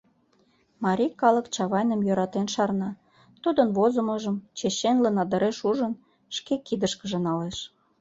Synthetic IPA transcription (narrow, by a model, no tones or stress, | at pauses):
mɑɾʲikɑləkt͡ɕɑβɑjnəmjøɾɑt̪enʃɑrnɑ | t̪ud̪ənβozəməʒəmt͡ɕeɕenlənɑd̪ə̆ɾeʃuʒən | ʃkekid̪əʃkəʒə̆nɑleʃ